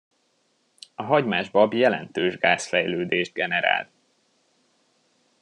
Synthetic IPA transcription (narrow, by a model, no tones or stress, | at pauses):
ɒɦɒɟmaːʒbɒbjɛlɛ̰nt̪øːʒɡaːsfɛjløːd̪eːʒd̪̚ɡɛnɛɾa̰ːlt̪